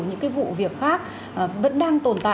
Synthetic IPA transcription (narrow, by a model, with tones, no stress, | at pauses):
wɲɨ̰˧˥ŋkaː˨˦jvṵ˧˨vi˨˩ək̚xaː˦˥k̚ː | və̰˧˥nɗaː˧ŋt̪o˨˩nt̪a̰ː˧˨